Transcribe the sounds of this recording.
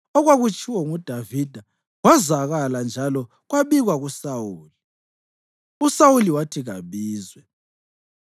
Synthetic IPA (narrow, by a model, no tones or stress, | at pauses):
ɔɣwaɣut͡ʃʰʼiwɔŋud̥ʱavid̥ʱa | ɣwazaɣaland͡ʒʱalɔ | ɣwaβiɣwaɣusawuːli | usawuliwatʰiɣa̰βiːzwɛ